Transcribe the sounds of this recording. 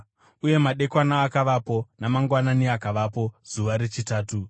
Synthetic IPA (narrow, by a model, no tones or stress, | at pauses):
uje̞maɗe̞kwanaːkaʋapo̞namaŋɡwananiakaʋaːpo̞z̥uʋaɾe̞t͡ʃitaːtu